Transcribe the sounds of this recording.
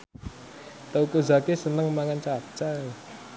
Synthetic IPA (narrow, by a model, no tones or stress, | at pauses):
t̪əukoza̤kesənəŋmaŋant͡ʃḁt͡ʃa